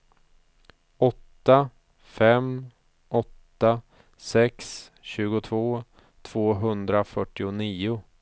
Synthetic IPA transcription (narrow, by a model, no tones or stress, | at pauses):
ɔt̪ːa | fɛm | ʔɔt̪ːa | sɛks | ɕʉ̟ːɡʊt̪ʰvoː | t̪ʰv̥oːɦɵnd̪ɾafœʈːɪʊniːʊ